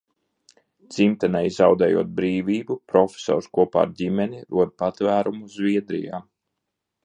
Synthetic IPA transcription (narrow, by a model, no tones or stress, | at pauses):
d̪zimt̪anɛjzawd̪ɛːjṵɔt̪̚bɾiːvʲiːbupɾɔfʲe̥sɔ̰ːɾskuɔpa̰ːɾdʲimʲɛnʲiɾuɔd̪̚pat̪væːɾumuzvʲiɛd̪ɾḭja̰ː